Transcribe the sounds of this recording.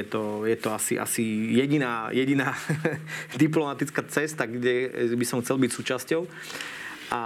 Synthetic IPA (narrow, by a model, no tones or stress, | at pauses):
ɛt̪ɔjɛt̪ɔasḭʔa̰sijɛɟinaːjɛɟinaː | d̪iplɔmat̪it͡skat͡sɛst̪aɡɟɛbisɔmxt͡sɛlbicsuːt͡ʃascɔʊ | ʔa